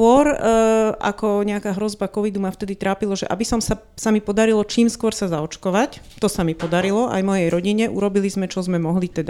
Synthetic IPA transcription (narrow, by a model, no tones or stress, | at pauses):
ʊɔɾʔa̰kɔɲɛakaːɦɾɔzbakɔʋid̪umaft̪ɛd̪it̪ɾaːpilɔʒɛʔa̰bisɔmsa | samipɔd̪aɾilɔt͡ʃiːmskʊɔɾsazaɔt͡ʃkɔʋac | t̪ɔsamipɔd̪aɾilɔʔa̰jmɔjɛjɾɔɟiɲɛʔṵɾɔbilizmɛt͡ʃɔzmɛmɔɦlit̪ɛd̪a